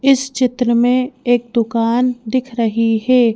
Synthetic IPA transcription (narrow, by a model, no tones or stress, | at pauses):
ɪst͡ʃɪt̪ɾəmẽeːk̚d̪ʊkaːnd̪ɪkʰɾɐɦiɦɛː